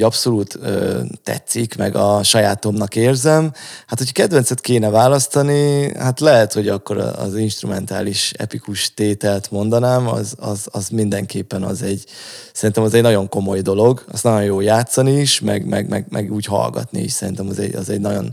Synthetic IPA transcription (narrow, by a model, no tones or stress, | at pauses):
ɒpso̞luːt̪øːɛ̰t̪sikmɛ̰ɡɒʃɒjaːt̪o̞mnɒkeːrzɛmhat̪ho̞cʰɒ̥kɛd̪ʋɛnsɛt̪keːnɛvaːlɒst̪ɒnihat̪lɛɦɛt̪ho̞ɟɒkːo̞ɾɒ̰ːzinʃt̪rumɛnt̪aːliʃɛ̰pikuʃt̪eːt̪ɛlt̪mo̞nd̪ɒnaːmɒ̰zɒzɒzmind̪ɛŋkeːpːɛnɒ̰zɛɟsɛɾint̪ɛmɒzɛɟnɒɟo̞ŋko̞mo̞jd̪o̞lo̞ɡɒst̪nɒɟo̞jjoːjaːt̪sɒniːʃmɛ̰ɡmɛ̰ɡmɛ̰ɡmʔɛ̰ɡuːcɦɒ̰lɡɒ̰t̪nḭḭʃsɛɾint̪ɛmɒzɛ̰ɟɒ̰zɛɟnɒɟo̞̰n